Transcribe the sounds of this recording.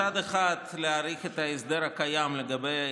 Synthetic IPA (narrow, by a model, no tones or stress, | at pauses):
ad̪eχat̪leaɾiχet̪aesd̪eɾhakajamleɡabej